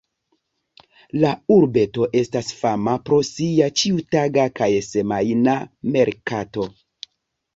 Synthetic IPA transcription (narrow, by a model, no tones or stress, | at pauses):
lauɾbe̞to̞ʔe̞stasfamapɾo̞siat͡ʃiutaɡakajsemajname̞ɾkato̞